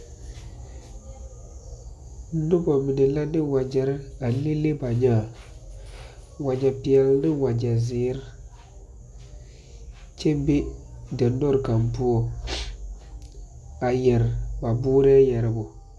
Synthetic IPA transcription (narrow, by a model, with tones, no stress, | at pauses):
nʊ˦bɔ˨mɪ˨nɛ˨la˦nɪ˦wa˨d͡ʒɛ˨ɾɪ˦a˨li˦le˦ba˨ɲaː˦˨ | wa˨d͡ʒa˨pɪ˨ɛ˨lnɪ˦wa˨d͡ʒa˨zɪː˨˦ɾ | t͡ʃɛ˦be˦dɛ˨nɔ˦ɾka˨mpu˦ɔ˦ | a˨jɛ˨ɾba˨bʊː˦ɾɪ˦a˦jɛ˨ɾɪ˨bʊ˨